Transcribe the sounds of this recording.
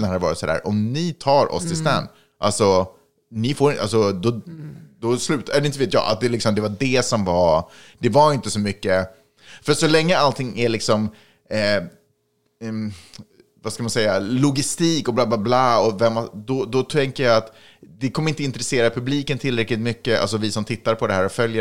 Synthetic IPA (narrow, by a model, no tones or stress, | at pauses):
nhaɾvɑːɾɪt̪sɔd̪æ̰ːɾʔɔmnɪt̪ʰɑːɾʔɔ̰st̪ʰɪlst̪æ̰n | ʔa̰lsɔ | nɪfoːɾɪʔa̰lsɔd̪ɔd̪ɔslʉ̟ːt̪ɛlɪnt̪əveːt̪jɑ̰ːʔa̰t̪̚d̪ɛlɪksɔmd̪ɛvaɖɛsɔmvad̪̥ɛvaɾɪnt̪əsɔmʏkːə | fœɾat̪sɔlɛŋːəalt̪ʰɪŋːæɭɪksɔmː | vaskamansɛjːalʊɡɪst̪iːkɔblaːblaːblaːɔvɛmad̪ɔd̪ɔt̪ʰɛŋkəjɑat̪ | d̪ɛkʰɔməɾɪnt̪əɪnt̪ɾɛseːɾapʰɵbliːkənt̪ʰɪlɾɛklɪt̪mʏkːəa̰ls̬ɔvɪsɔmt̪ʰɪt̪ːaɾpʰɔd̪ɛhæːɾɔfœljə